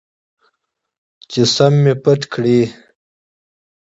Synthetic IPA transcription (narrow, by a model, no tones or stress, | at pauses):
t͡ʃesamːepəʈkʰɽi